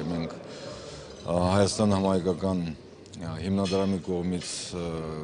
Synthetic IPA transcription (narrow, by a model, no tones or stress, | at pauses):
mɛŋkʰ | hɑjɑst̪ɑnəhɑmhɑjkɑkɑn | himnɑd̪ɾɑmikɔʁmit͡sʰ